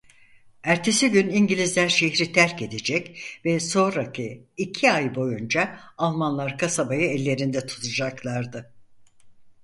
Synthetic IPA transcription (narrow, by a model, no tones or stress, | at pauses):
æɾt̪ʰe̞siɟyniɲɟilʲizlʲænʃeçɾit̪ʰæɾce̞d̪ed͡ʒɛcvɛso̞nɾacʰiːcʰiajbo̞jund͡ʒaːlˠmanlˠaɾkʰasabajɯɛlʲːe̞ɾind̪ɛt̪ʰu̥t̪ʰad͡ʒaklˠaɾd̪ɯ